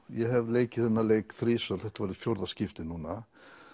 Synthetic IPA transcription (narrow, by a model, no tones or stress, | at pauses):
jɛɦɛvleːjcɪθɛnːaleːjkθɾiːsœlθɛht̪avaːɾɪfjoɾðascɪft̪ɪnuːna